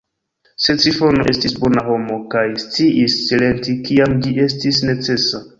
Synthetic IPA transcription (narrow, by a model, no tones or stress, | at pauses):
se̞t͡sifo̞no̞ʔe̞stisbo̞naɦo̞mo̞kajst͡siʔisːile̞ntikiamd͡ʒie̞stisne̞t͡se̞sa